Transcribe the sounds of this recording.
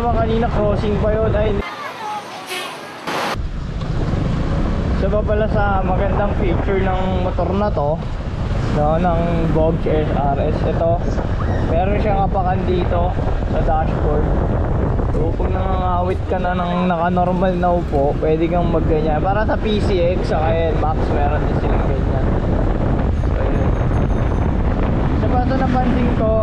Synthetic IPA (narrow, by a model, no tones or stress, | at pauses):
ɐmɐkɐniːnɐkoːsɪŋpɐjonɐj̪ | sɐbapɐlasɐmɐɡɐnd̪aŋpiːt͡ʃɛɹnɐŋmot̪oɾnɐt̪o̞ | nonɐŋ | boɡ̚sɛsʔaɾʔɛsʔɛt̪o̞ | mɛːɾonʃaŋɐpɐkɐnd̪iːt̪o̞ | sɐd̪aʃboɹd̪̚ | t̪uːpoɡ̚nɐŋɐŋaːwɪt̪̚kɐnɐnɐŋnɐkɐnoɾmɐlnɐwpo̞pwɛːd̪ɪkɐŋmɐɡːɐɲanpaːɾɐsɐpiːsiʔɛksɐkɐjɛnmaksmɛːɾond̪ɪnsɪlɐŋɡɐɲan | ɛt̪o̰jon | sɐbɐt̪ɐnɐpɐnd̪iŋt̪o̞